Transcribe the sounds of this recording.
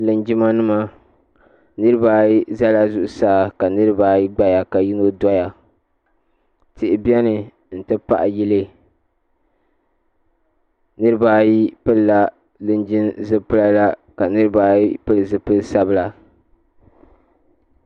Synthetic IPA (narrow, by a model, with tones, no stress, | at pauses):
lɨ˨nd͡ʒi˦ma˦nɨ˦ma˦ | nɨ˦ɾɨ˦ba˦ji˦za˦la˦zʊ˨ʔʊ˨saː˦ka˨nɨ˦ɾɨ˦ba˨ji˦ɡ͡ba˦ja˨ka˨ji˦no˦da˦ja˨ | tɪ˨ʔɪ˨bɛ˦nɨ˨ | n̩˨tɨ˦pa̰˦˨ʔji˦lɨ˦ | nɨ˦ɾɨ˦ba˦ji˦pɨ˦lla˦ | lɨ˦nd͡ʒɪ˦nzɨ˦pɨ˦la˦la˦ka˨nɨ˦ɾɨ˦ba˦ji˦pɨ˦lzɨ˨pɨ˦lsa˦bɨ˨la˨